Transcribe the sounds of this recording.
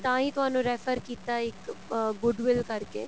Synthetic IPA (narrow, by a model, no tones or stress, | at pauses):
t̪ãːɦit̪ʊɦãːnũɾeːfəɾkiːt̪aɪkɡʊɖʋɪlkɐɾkḛː